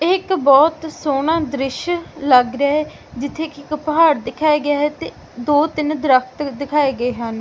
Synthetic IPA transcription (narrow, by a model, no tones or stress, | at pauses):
ɪkbɔːt̪soːnãːd̪ɾɪʃləɡɾaːɦɛ | d͡ʒɪt̪ʰːeːkɪkpɦaːɾd̪ɪkʰaːjaːɡɪjaːɦɛːt̪eː | d̪oːt̪ɪnd̪ɾəkʰt̪d̪ɪkʰaːeːɡəeːɦən